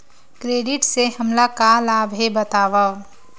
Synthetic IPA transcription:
kɾeːɖɪʈseɦəmlakalaːbʱɦebət̪aːʋao

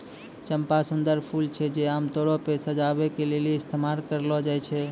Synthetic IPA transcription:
t͡ʃəmpasund̪əɾpʰult͡ʃʰɛd͡ʒeamt̪oɽɔpesəd͡ʒabɛkeleleɪst̪ʰemaɾkəɾlɔd͡ʒajt͡ʃʰɛ

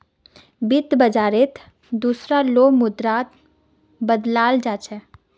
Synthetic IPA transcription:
bɪt̪bəd͡ʒaːɾet̪ʰ | d̪uːsɾaloːmʊd̪ɾaːt̪ | bəd̪laːld͡ʒaːt͡ʃʰɛ

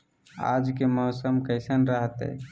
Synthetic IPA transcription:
a̰d͡ʒkemɔʊsəmkəɪsənɾəɦt̪ɛ̰

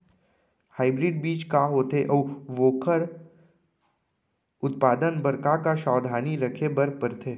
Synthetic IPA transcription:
haːɪbɾɪɖbiːt͡ʃkaːɦoːt̪eʔɔʋʋoːkəɾ | ʊt̪paːd̪ənbɐɾkakaʃɔːd̪ʱaːniɾɐkʰebɐɾpəɾt̪ʰeː

